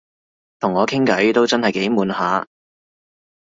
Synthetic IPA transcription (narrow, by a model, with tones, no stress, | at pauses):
t̪ʰʊ˨˩ŋːɔː˨˧kʰɪ˥ŋkɐ˨˥jt̪o˥wt͡sɐ˥nhɐ˨jke˨˥jmuː˨˧nhaː˨˥